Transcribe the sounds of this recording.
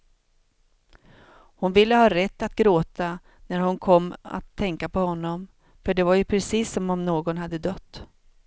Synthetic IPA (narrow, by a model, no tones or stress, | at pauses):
hʊnvɪlːəhɑːɾɛt̪ːat̪ɡɾoːt̪a | næɾhʊnkʰɔmːa̰t̪ʰːɛŋkapɔhɔnːɔm | fœɖɛvaɾjɵpʰɾɛsiːsːɔmɔmnoːɡɔnhad̪ːəd̪œt̪ː